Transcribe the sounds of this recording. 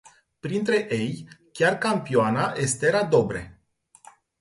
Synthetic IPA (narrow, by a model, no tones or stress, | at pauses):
pɾint̪ɾe̞ʔejkʲarkampioanaʔest̪eɾad̪o̞bɾe̞̰